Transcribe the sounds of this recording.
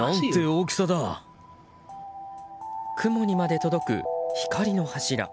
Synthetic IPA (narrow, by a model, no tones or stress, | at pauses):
ãnt̪e̞oːkʲi̥sad̪a | kʰɯ̟mo̞ɲ̟imad̪e̞t̪o̞d̪o̞kɯ̟̰çi̥kaɾʲino̞haɕiɾa̰